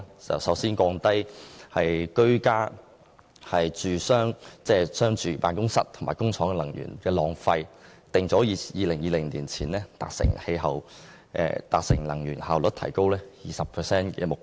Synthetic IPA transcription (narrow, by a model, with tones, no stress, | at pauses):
t͡sɐ̰˨wsɐ˨˥wsiː˥nkɔː˧ŋt̪ɐ˥jhɐ˨jkɵ˥ɥkaː˥ | hɐ˨jt͡syː˨sœː˥ŋt͡sɛː˥sœː˥ŋt͡ʃyː˨˧paː˨nkʊ˥ŋsɐ˥t̚t̪ʰʊ˨˩ŋma̰ː˨˩jkʊ˥ŋt͡sʰɔː˨˥ŋɛ˧lɐ˨˩ŋjy̰ː˨˩nkɛː˧lɔː˨˩ŋfɐ˧jt̪ɪ˨ŋt͡sɔː˨˥˨jiː˨˧lɪ˨˩ŋjiː˧lɪ˨˩ŋliː˨˩nt͡sʰiː˨˩nlɛː˥t̪a̰ː˨k̚sɪ̰˨˩ŋhe˧jɦɐ˨w | ʔɛ̰ː˧t̪aː˨k̚sɪ˨˩ŋlɐ̰˨˩ŋjyː˨˩nhaː˨wlɵ˨˥t̚t̪ʰɐ˨˩jko˥wlɛː˥jiː˨˩sɐ˨pʰəː˨˩sɛː˥nkɛ̰ː˧mʊ˨k